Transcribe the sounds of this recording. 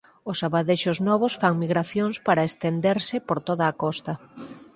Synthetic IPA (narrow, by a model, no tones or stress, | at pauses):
ʊsaβaðeʃʊznɔβ̞ʊsfaŋmiɣɾaθjoŋspaɾɐest̪end̪eɾsɪpoɾt̪oðɐːkɔst̪ɐ